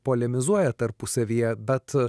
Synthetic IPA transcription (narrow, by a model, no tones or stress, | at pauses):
poːlʲɛmʲɪzuɔjɛt̪ɐɾpʊsɐʋʲiːjɛbʲɛt̪